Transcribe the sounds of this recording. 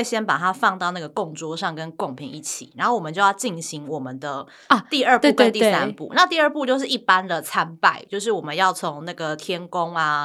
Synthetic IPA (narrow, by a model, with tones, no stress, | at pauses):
e˥˩ɪɕjɛ˥npa˨˩t̪ʰa˦˥fɑ˥˧ŋt̪ɑ˥˧ʊna˥˩ɡə˩kʊ˥˧ŋt͡swɔ˥˧ʂɑ˥˨˧ŋkə˦nkʊ˥˩ŋpʰi˨˧˦ŋi˥˩t͡ɕʰḭ˨˩na˨˧˦ŋxo˥˩wɔ˨˩ə˨˦t͡ɕjo˥˧ʊjɑ˥˧ʊt͡ɕi˥˩nɕi˧˦ŋwɔ˨˩mə˦nd̪ə˨˧ | t̪i˥˧ə˞˥˧p̪kə˦˧nt̪i˥˨˩sa˦npṵ˥˩na˥˧t̪i˥˧ə˞˥˧pu˥˧t͡ɕjo˥˧ʊʂɻ̩˥˩i˥˩pa˦nd̪ə˨t͡sʰa˦npa˥˧ɪt͡ɕjo˥˧ʊʂ̬ɻ̩˥˩wɔ˨˩mə˦njɑ˥˩ʊt͡sʰo˧˦ŋna˥˩ɡə˩t̪ʰjɛ˥nkʊ˦ŋa˨